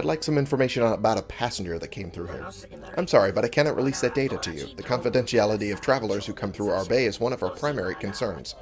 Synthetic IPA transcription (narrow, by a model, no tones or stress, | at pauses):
adˡlaɪksʌ̃mɪ̃ɱfə˞meɪʃɨ̃ñəbaʊɾəpʰæsn̩d͡ʒə˞ðɨt̚kʰẽɪ̃mθɹʉɪ̰̃m | ʔã̰ɪ̃msɑɹibʌɾaɪkʰænɑʔ̚ɹʔḭlisðɨt̚d̥eɪɾɨɾɨjʉ̰ðɨkʰɑ̃nfɨdɛ̃nʃiælˠəɾiʌv̥tʰɹ̥ævl̩ˠə˞z̥hʉkʰʌ̃mθɹuaʊə˞beɪɨzwʌ̃ñʌvaʊə˞pʰɹ̥ãɪ̃mɛɹikʰɨ̃n̩sɜ̃˞nz̥